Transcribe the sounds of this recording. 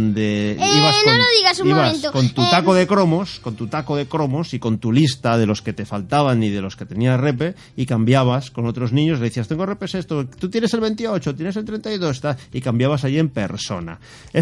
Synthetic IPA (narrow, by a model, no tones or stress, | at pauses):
nd̪e̞iβasnloðiɣasuiβaẽnt̪okont̪ut̪akoðekɾo̞mo̞sko̞nt̪ut̪akoð̞e̞kɾo̞mo̞siko̞nt̪ulist̪aðe̞lo̞ske̞t̪e̞falt̪aβ̞anið̞e̞lo̞ske̞t̪e̞niare̞p̬e̞ | ikambjaβ̞asko̞no̞t̪ɾo̞znĩɲos̬leðiθiast̪eŋɡorepe̞se̞st̪ot̪ut̪je̞nese̞lβe̞nt̪iot͡ʃot̪jenes̬elt̪ɾe̞nt̪ajðo̞s̬t̪aikambjaβas̬ajie̞mpe̞̰ɾso̞̰na̰ | e